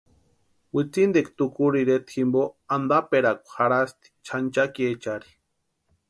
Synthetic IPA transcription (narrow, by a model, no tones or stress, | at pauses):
wit͡sind̪ekt̪ukuɾiɾet̪ʰximboand̪apeɾakʷhaɾast̪i̥t͡ʃʰant͡ʃakiet͡ʃaɾi̥